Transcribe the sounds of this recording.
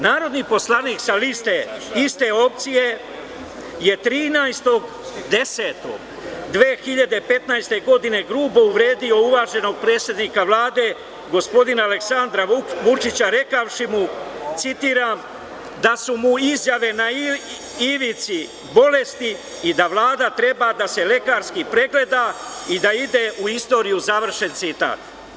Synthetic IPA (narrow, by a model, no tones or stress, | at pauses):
naːɾo̞d̪nipo̞slaniːkzalist̪eist̪e̞o̞pt̪sije̞ | je̞t̪ɾiːnajst̪o̞ɡ | d̪e̞se̞ːt̪o̞̰ɡ | d̪ʋeːxiʎad̪e̞pe̞t̪najst̪e̞ɡo̞d̪ine̞ɡɾuːbouʋɾeːd̪io̞uʋaːʒe̞no̞ɡ̚pɾe̞ːt̪sje̞d̪nikaʋlaːd̪e̞ | ɡo̞spo̞d̪inaale̞ksand̪ɾaʋut͡ʃit͡ɕaɾe̞kaʋʃimut̪sit̪iːɾaːm | d̪asumuizjaʋe̞nai | iʋit̪si | bo̞le̞st̪iː | d̪aʋlaːd̪at̪ɾe̞bad̪ase̞le̞kaːɾskipɾe̞ɡle̞d̪aid̪aid̪e̞ʔuist̪o̞ɾijuzaʋr̩ʃe̞nt̪sit̪a̰ːt̪